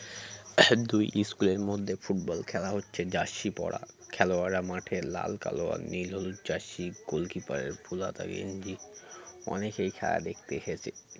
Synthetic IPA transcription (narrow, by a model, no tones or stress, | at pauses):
d̪ujʔiskuleɾmod̪ʱːefuʈ̚bɔlkʰɛlaɦotːɕʰed͡ʑaʃipɔɽa̰ | kʰɛloaɾamaʈʰela̰lka̰loa̰nilɦolut̪d͡ʑaʃːiɡolkipaɾḛɾbʰʱulat̪a̰ɡḛnd͡ʑi | ɔnekejkʰɛla̰d̪ek̚ʰt̪eʃet͡ɕʰe